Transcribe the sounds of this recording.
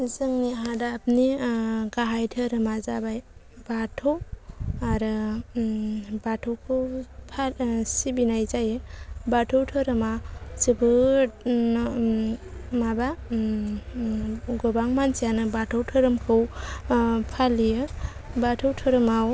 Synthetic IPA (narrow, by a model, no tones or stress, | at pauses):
zɯŋniɦadapniɡaɦajtʰɯɾɯmazabaj | batʰowaɾɯ | batʰɯwkʰɯwpʰasibinajzajɯbatʰɯwtʰɯɾɯmasɯbɯ | maba | ɡɔbaŋmansijanɯbatʰɯwtʰɯɾɯmkʰɯw | pʰalijɯ | batʰɯwtʰɯɾɯmaw